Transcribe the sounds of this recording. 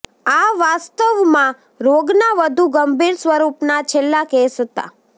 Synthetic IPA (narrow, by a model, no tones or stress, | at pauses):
aʋast̪əʋmã | ɾoɡnaʋəd̪ʱuɡəmbʱiɾsʋəɾupnat͡ʃʰelːakesɦət̪a̰